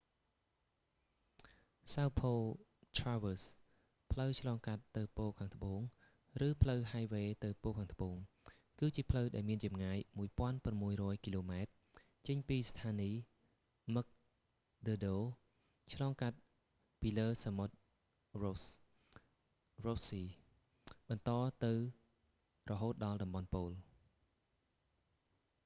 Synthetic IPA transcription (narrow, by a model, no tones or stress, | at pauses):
sawpʰoːl | t̪ʰraːʋəs | pʰləwt͡ɕʰlɑːŋkat̪ːɨwpoːkʰaːŋt̪ʰə̆ɓoːŋ | rɨːpʰləwɦajʋeːt̪ɨwpoːkʰaːŋt̪ʰə̆ɓoːŋ | kɨːt͡ɕiəpʰləwɗaɛlmiənt͡ɕɑmŋaːjmuəjpŏənprɑmːuəjrɔəjkiːloːmaɛt̪̚ | t͡ɕəɲpiːst̪ʰaːniː | mək̚ | ɗəːɗoː | t͡ɕʰlɑːŋkat̪̚ | piːləːsamot̪̚ | ro | rosiː | ɓɑnt̪ɑːt̪ɨw | rɔɦoːt̪̚ɗɑlɗɑmɓɑnpoːl